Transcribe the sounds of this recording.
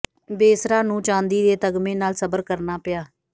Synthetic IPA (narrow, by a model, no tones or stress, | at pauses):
beːsɾaːnũːt͡ʃãːnd̪iːd̪eːt̪əɡmẽːnaːlsəbəɾkəɾnaːpɪjaː